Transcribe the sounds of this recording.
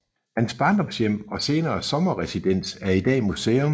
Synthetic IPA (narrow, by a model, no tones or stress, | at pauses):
hænsb̥ɑ̈ːnd̥ɒ̽msjem̰ɒ̽se̝ːnɐːsɒ̽mɐʁɛsid̥en̰sæɐid̥ɛ̰ːmuseːɔm